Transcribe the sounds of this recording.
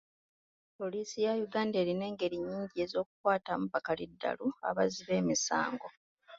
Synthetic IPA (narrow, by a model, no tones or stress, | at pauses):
po̞liːsijajuɡaːnde̞ːɾine̞ːŋɡe̞ɾiɲːiːɲɟie̞zo̞ːku̥kwaːtamuβakalidːa̰lua̰βaziβe̞ːmisa̰ːŋɡo̞